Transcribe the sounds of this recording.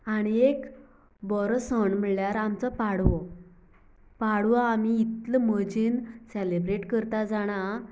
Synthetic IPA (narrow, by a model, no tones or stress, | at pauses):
aɽ̃iek | bɔɾsɔɳm̤əɭljaɾamt͡səpaɽʋo | paɽʋaamiːt̪ləməd͡ʑinselebɾeʈkəɾt̪ad͡zaɽ̃a